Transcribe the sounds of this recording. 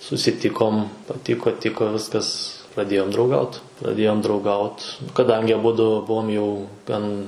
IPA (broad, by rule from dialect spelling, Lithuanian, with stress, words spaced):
sʊsʲɪˈtʲɪkoːm pɐˈtʲɪkoː ˈtʲɪkoː ˈʋʲɪskɐs prɐˈdʲeːjoːm drɐʊˈɡɐʊt prɐˈdʲeːjoːm drɐʊˈɡɐʊt kɐˈdɐŋʲɡʲɪ ɐˈbʊdʊ ˈbʊʋoːm jɛʊ ˈɡɐn